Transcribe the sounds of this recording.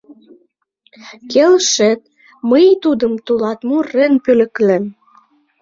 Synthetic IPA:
kelʃĕt̪̚ | məjt̪ud̪əmt̪ulɑt̪murĕnpylə̆klem

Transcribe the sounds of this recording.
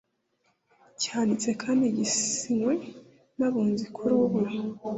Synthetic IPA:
caːnit͡se̞kʰaːndiɟisiŋwe̞ | naβuːnzikʰuɾuβuɾa

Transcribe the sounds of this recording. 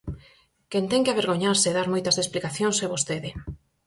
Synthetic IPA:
kent̪ɛŋkɪaβeɾɣoɲaɾseeðaɾmojt̪ɐzðesplikaθjõŋsɛβost̪eðɪ

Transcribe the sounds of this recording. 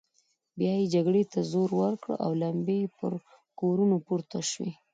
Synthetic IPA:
bjɑjed͡ʒaɡɽet̪azoɾwəɾkɽ̰ʔa̰wlambepəɾ | koɾunopuɾt̪aʃwḛ

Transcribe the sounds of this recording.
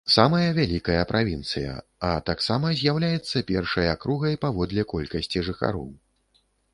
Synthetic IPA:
samɐjɐvʲalʲikɐjɐpɾʔavʲint̪sɨjɐ̰ɐt̪aksamɐzʲjawlʲajɛt̪sːɐpʲɛrʂɐjɐkɾuɣɐjpavɔd̪lʲɛkɔlʲkɐsʲt͡sʲiʐɨxa̰ɾɔ̰w

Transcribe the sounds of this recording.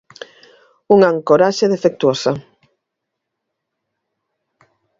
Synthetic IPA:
uŋaŋkoɾaʃeðefek̚t̪uosɐ

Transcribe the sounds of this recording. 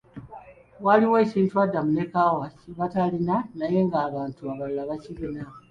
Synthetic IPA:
waliwe̞ːciːntuadːamune̞kawaciβatalinanaje̞ŋɡaːβaːntuaβalulaβacilina

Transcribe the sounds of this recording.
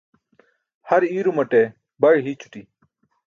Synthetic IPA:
hɐɾiːɾumɐʈe | bɐɻɦit͡ɕʰu̥ʈi

